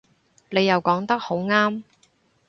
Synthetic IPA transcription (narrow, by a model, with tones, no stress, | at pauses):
ne˨˧jɐ˨wkɔː˨˥ŋt̪ɐ˥k̚ho˨˥wŋaː˥m